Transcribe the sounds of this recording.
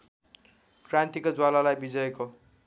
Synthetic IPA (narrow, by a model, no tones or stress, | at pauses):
krant̪ikod͡zwalalajbid͡zʌjeko